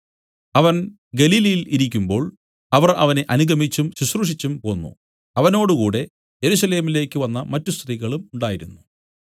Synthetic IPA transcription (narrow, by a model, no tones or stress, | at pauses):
ɐʋɐn | ɡɐliːlɐjiliɾikʲːumbo̞ːɭ | ɐʋɐrɐ̰ʋɐne̞ʔɐnuɡɐmit͡ɕːumɕuɕruʂit͡ɕːumpo̞ːnːṵ | ɐʋɐno̞ːɽukuːɽe̞ | je̞ɾusɐle̞ːmile̞ːkʲːɨʋɐnːɐmɐtːust̪riɣɐɭumuɳɖaːjiɾunːu